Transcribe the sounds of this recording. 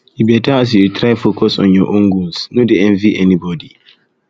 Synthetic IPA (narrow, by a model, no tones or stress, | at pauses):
jibɛtaːs̬juɾitʰɾajfokʰɔsɔ̰̃njɔʔõŋɡũnsnũdɛɛ̃nviʔɛnibɔdi